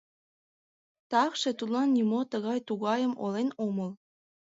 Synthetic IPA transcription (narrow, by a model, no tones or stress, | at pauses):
t̪ɑkʃet̪ulɑnːimot̪əɣɑjt̪uɣɑjəmʔolenoməl